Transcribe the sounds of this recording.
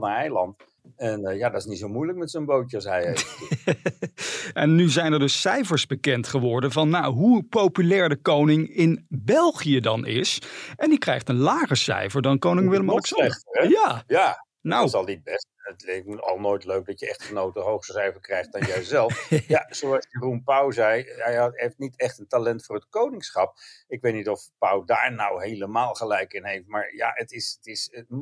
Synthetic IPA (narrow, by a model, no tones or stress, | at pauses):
ɛjlɑnt | ɛnjadɑtɪsnitsowmujlək̚mɛtsənbowəɑs̬ɦɛje | ʔɛnːyzɛjnɛɹdɵsːɛjvəɹzbəkɛntχəʋɔɹdənvɑnːawɦupowpylɛːɹdəkownɪŋɪnbɛlˠχijədɑnɪ̰sɛndikrɛjχtənlaːχəsɛ̰jfəɹdɑnkownɪŋʋɪləmɑlɛksɑɛəjaːja | nowsɑlˠnid̚bɛstətlɪɑ̰lˠnojtløɥk̚dɑtjəɛχtχənowtəɦowχsəsɛjvəɹkrɛjχt̚d̥ɑnjɛzɛlˠfjazowɑsjərunpawzɛjɛjɑeftnitɛχtəntalɛntfʊːrɦətkownɪŋsχɑp̚ɪkʋejtnitɔfpʌwda̰ːɹnawɦejləmaːlˠχəlɛjkɪnɦejft̚maːɹja̰ətɪsətɪs